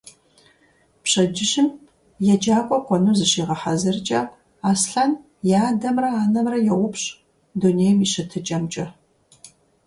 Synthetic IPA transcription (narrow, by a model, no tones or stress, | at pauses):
pɕɐd͡ʒɪɕɪm | jɛd͡ʒaːkʷʼɔkʷʼɔnuːzɨɕiːʁɐħazɨrt͡ʃʼɐ | aːsɬan | jaːdɐmrɐaːnɐmrɐjɛwʷʊpɕ | duneːjmiːɕɐtʰɨt͡ʃʼɐmt͡ʃʼɐ